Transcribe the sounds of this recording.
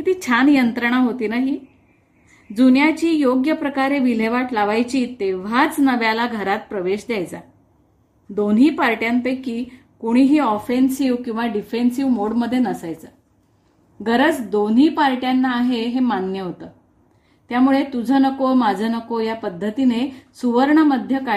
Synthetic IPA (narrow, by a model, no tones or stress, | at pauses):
kit̪iːt͡ɕʰanjənt̪ɾəɳ̃aɦot̪iːnaɦi | d͡zunjat͡ɕiːjoɡjəpɾəkaɾeʋil̤eʋaʈlaʋajt͡ɕiːt̪eʋ̤at͡snəʋjalaɡʱəɾat̪̚pɾəʋeɕd̪jajt͡sa | d̪onɦiːpaɾʈjant̪ekiː | koɽ̃iɦiːɔfensiʋkĩw̃ʋaɖifensiʋmoɽməd̪ʱːjenəsajt͡səː | ɡəɾət͡sd̪onɦiːpaɾʈjanːaːɦeɦemanːjəɦot̪əː | t̪jamuɭet̪ud͡zʱənəkomad͡zʱənəkojapəd̪ʱːət̪inesuʋəɾɳəməd̪ʱjəka